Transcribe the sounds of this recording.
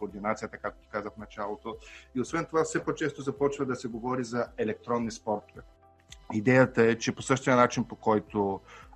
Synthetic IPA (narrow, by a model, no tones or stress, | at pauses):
koːɾd̪inat̪sijət̪əkakt̪ot̪o̥kazəfnɐt͡ʃalˠot̪oiosvɛnt̪ovafsɛpɔt͡ʃɛst̪ozɐpɔt͡ʃvɐd̪ɐsɛɡovɔɾizɐɛlɛk̚t̪ɾɔnːispɔɾt̪ovɛ | id̪ɛjət̪əɛt͡ʃɛposɤʃt̪iənat͡ʃinpokɔjt̪o